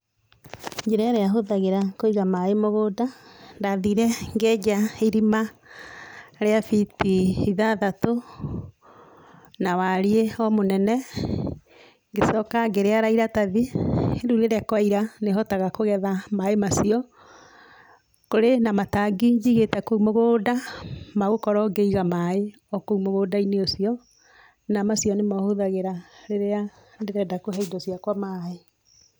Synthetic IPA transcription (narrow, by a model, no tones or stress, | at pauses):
ɲd͡ʒeɾɛɾeaɦoðaɣeɾakoiɣamaemoɣoːdandaðiɾɛŋɡɛɟaiɾima | ɾeafitiiðaðato | nawaɾieɔmonɛnɛ | ŋɡesɔkaɡeɾeaɾaiɾataðieɾuɾeɾɛkwaiɾaneɦɔtaɣakoɣɛðamaemasiɔ | koɾenamataɡiɲd͡ʒiɣetɛkoumoɣoːdamaɣokɔɾɔɡeiɣamae | ɔkoumoɣoːdaineosiɔ | namasiɔnemɔhoðaɣeɾaɾeɾea | ndeɾɛdakoɦɛidɔsijakwamae